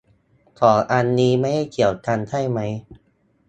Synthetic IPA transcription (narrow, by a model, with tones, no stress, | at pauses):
k̪ʰɔː˩˦ʔa˧nːiː˦˥ma˥˩jha˥˩jkʰi˨˩əwt̪ʰa˧nt̪ʰa˥˩jma˦˥j